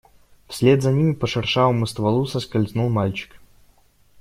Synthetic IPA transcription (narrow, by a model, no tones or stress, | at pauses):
fsʲlʲed̪zɐnʲimʲɪpəʂɨrʂavəmɨst̪vɐlˠusɐskɐlʲznulˠmalʲt͡ɕɪ̥k